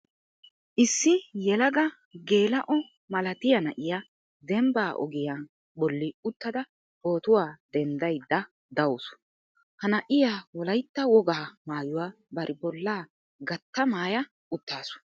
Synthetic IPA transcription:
ʔɪsːɪjɛlɐɡɐ | ɡe̞ːlɐʔɔ | mɐlɐt̪ɪjɐnɐ̰ʔɪja | d̪ɛmbaːʔɔ̰ɡɪjan | bɔlːɪʊt̪ːɐd̪ɐ | bo̞ːt̪ʊwaːd̪̥ɛnd̪ɐjd̪ːɐ | d̪ɐwʊsʊ̥ | hɐnɐʔɪjaːwɔlɐjt̪ːɐwɔɡaːmaːjʊwaː | bɐɾʔɪbɔlːaː | ɡɐt̪ːɐmaːjɐ | ʊt̪ːaːsʊ̥

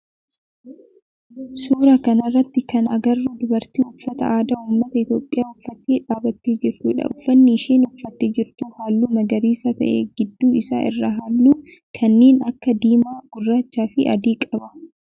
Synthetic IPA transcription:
suːɾɐkɐnɐrːɐt̪ːɪkɐnɐɡɐrːud̪ʊbɐɾt̪iːʊfːɐt̪ɐ̰ʔaːd̪aːuːmːɐt̪ɐɪt̪jo̞ːpʼːɪjaːʊfːɐt̪ːeːᶑaːbɐt̪ːeːd͡ʒɪɾt̪uːᶑɐ̰ʊfːɐnːɪːʃeːnʊfːɐt̪ːeːd͡ʒɪɾt̪uhaːlːuːmɐɡɐɾiːsɐt̪ɐ̰ʔḛːɡɪd̪ːuːɪsa̰ːʔɪ̰rːɐɦaːlːuː | kʰɐnːeːnɐkːɐd̪iːmaːɡ̥ʊrːaːt͡ʃːaːfɪʔɐ̰d̪iːkʼɐbɐ

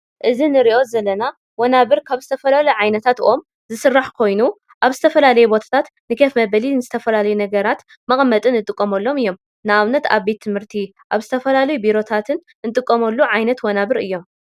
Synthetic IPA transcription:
ʔɨzinɨɾiʔo̞zɐlːɐna | wɐnaβɨɾkʰaβzɨt̪ʰɐfɐlalɐjuʕajnɐt̪ʰat̪ɨ̰ʔo̞m | zɨsɨrːaħkʰo̞jnu | ʔaβzɨt̪ʰɐfɐlalɐjubo̞t̪ʰḁt̪ʰat̪ | nɨkʰefmɐβɐlinɨzɨt̪ʰɐfɐlalɐjunɐɡɐɾat̪ | mɐχʼmːɐt̪ʼɨnːɨt̪ʼɨkʼːɐmɐlːo̞mɨjːo̞m | nɨaβnɐt̪a̰βbe̞t̪ʰːɨmhɨɾt̪ʰi | ʔaβzɨt̪ʰɐfɐlalɐjubiɾo̞t̪ʰat̪ʰɨn | ɨnt̪ʼɨkʼːɐmɐlːuʕajnɐt̪wɐnaβɨɾɨjːo̞m

